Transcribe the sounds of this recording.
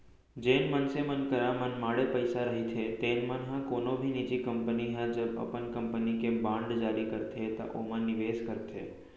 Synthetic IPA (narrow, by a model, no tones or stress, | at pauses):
d͡ʒenmənsemənkəɾamənmaɽepəjsaɾəɦit̪ʰet̪enmənɦãkonobʱinid͡ʒikəmpəniɦãd͡ʒəbə̰pənkəmpənikebãɳɖd͡ʒaɾikəɾt̪ʰet̪a̰ʔomãnɪʋeskəɾt̪ʰḛ